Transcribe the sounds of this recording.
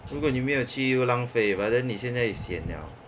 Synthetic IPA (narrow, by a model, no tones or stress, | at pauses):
ɻukwɔnimeɪjot͡ɕʰilaŋfeɪwadəniɕjɛnt͡saɪisjɛnlja̰ʊ